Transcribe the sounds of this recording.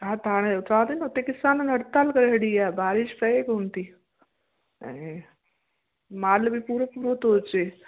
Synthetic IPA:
ɦãt̪aːɽ̃eʊt̪ʰãːd̪inʊt̪ekɪsaːnənɐɽt̪aːlkɐɾɦəɽiaːebaːɾɪʃpɐekoːnt̪i | ɛ̰̃ | maːlbipuːɾepuːɾot̪oːt͡ɕeː

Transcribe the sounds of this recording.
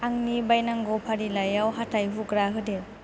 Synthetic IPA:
aŋnibajnaŋɡɔpʰaɾilajawɦatʰajɦuɡɾaɦɯde

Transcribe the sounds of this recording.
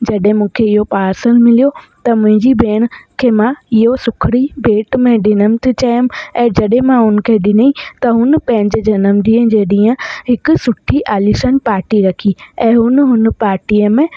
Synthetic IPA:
d͡ʑɐɗɦẽmũːkʰeɪɦopaːɾsəlmɪlijo | t̪ɐmʊ̃ɦɪ̃ɲd͡ʑibeːɽ̃̆kʰeːmãɪɦosʊkʰɽibʱeːʈmẽɗɪnəmt̪ʰit͡ɕɐjəmɛ̃ːd͡ʑɐɗɦẽmãɦʊnəkʰeɗɪnit̪ɐɦʊnpɐ̃ɦɪ̃ɲd͡ʑed͡ʑɐnəmd̪ĩːə̃d͡ʑeːɗĩːə̃ɦɪkʊ̆sʊʈʰiʔaːlisənpaːɾʈiɾɐkʰiɛ̃ːɦʊnɦʊn̆paːɾʈiəmẽ

